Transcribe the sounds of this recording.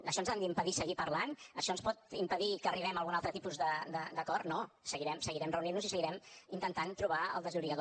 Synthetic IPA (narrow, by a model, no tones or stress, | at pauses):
əʃɔnzand̪əimpəðisəɣipərlanəʃɔənspɔt̪impəðikəːriβɛməlˠɣunalˠt̪ɾət̪ipuzðəd̪əd̪əkɔrno | səɣiɾɛmsəɣiɾɛmrəuninnuzisəɣiɾɛmint̪ənt̪ant̪ɾuβaə̰lˠd̪əzuɾiəðo